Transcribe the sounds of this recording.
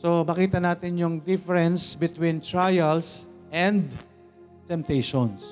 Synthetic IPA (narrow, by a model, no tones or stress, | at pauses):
somɐkiːt̪ɐnaːt̪ɪnjʊŋd̪ɪfɛɾɛnsbɪt̪wĩnt̪ɹajɐlsʔɛ̃nd̪ | t̪ɛmp̚t̪ejʃons